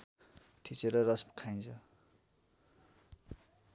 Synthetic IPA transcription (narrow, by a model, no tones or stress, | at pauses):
t̪ʰit͡seɾʌrʌspkʰaj̃nt͡sʰʌ